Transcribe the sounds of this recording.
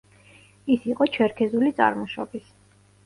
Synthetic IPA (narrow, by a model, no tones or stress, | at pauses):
isiqʼɔt͡ʃʰɛɾkʰɛzulit̪sʼa̰ɾmɔʃɔ̰bis